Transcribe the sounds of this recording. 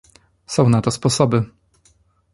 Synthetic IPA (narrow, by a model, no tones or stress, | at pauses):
sɔ̃w̃nat̪ɔspɔsɔbɘ